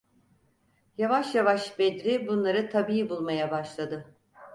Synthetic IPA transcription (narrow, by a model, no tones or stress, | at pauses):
javaʃjavaʃbed̪ɾibunlˠaɾɯt̪ʰabiːibulˠmajabaʃlˠad̪ɯ